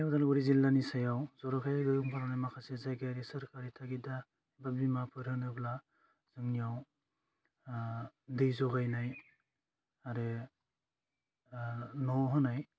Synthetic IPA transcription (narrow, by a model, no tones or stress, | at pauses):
jawdalɡuɾizilːanisajawzɔɾakʰajaɡɯɯŋpʰaɾanajmakʰasezajɡaɾisɐɾkaɾitʰaɡida | babimapʰɯɾhɯnɯbla | z̥ɯŋnijaw | dɯjzɔɡajnaj | aɾe | nɔɦɯnaj